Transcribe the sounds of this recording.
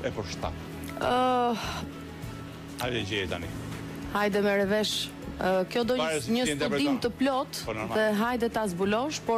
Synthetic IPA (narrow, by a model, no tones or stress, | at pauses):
ɛpəɾʃt̪a̰ | ajɛd͡ʒɛjɛt̪a̰nḭ | hajd̪ɛmɛɾɛvɛʃ | kjɔd̪ɔsɲəstt̪ud̪imt̪əplɔt̪ɔnmðɛɦajd̪ɛt̪azbulɔʃpɔ